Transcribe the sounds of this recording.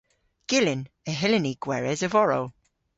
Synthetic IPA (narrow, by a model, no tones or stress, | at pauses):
ɡ̥ɪlɪnəɦɛlɪniɡ̥wɛɹɛzəvɔɹo̰w